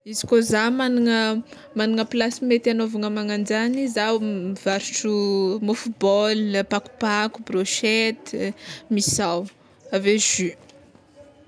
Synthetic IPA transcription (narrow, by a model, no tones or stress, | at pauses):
izi̥kozamaniŋə | maniŋəpilasimet̪anovaŋəmaŋand͡ʒanizawvaɾuʈ͡ʂumufubɔlpaku̥pakubroʃet̪misaw | aveʒy